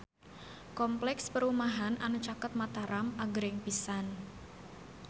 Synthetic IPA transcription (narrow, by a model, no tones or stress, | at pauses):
kɔmplɛkspəɾumaɦanʔanut͡ʃakət̪̚mat̪aɾamʔaɡəɾɪŋpisan